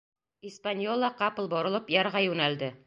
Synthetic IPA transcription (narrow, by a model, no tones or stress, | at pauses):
ispanʲjolˠɑqɑpɤ̆lˠbŏɾŏlˠɤpjɑɾʁɑjʉnæld̪ɘ